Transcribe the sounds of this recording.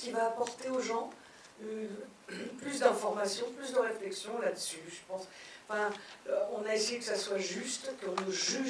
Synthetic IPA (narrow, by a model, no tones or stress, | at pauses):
kʲivaːpɔʁt̪eoʒɑ̃ | y | plysd̪ɛ̃fɔʁmasjɔ̃plysd̪əʁeflɛksjɔ̃lad̪əsyʒəpɑ̃sɑ̃fɛ̃ɔ̃naesejekəsaswaʒyst̪kəɔ̃nəʒy